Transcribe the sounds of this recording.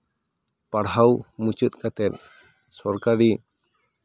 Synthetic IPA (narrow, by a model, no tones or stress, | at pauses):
paɽɦawmut͡ʃɨt̪̚kat̪ɛt̪̚ | sɔɾkaɖi